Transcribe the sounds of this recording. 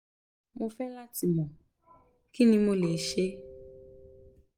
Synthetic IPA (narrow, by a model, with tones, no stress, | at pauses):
mo˧fɛ˦la˦ti˨mɔ̃˨ | ki˦nĩ˧mo˦le˨˦ʃe˦